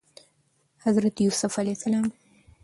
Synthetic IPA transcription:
hazɾat̪jusʊfalesalɑːm

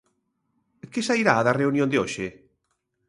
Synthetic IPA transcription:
kɪsaiɾaːðareunjõnd̪eoʃe

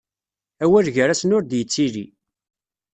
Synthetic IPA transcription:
æwæɾʝəɾæsnʊɾd̪jət͡sːiɾi

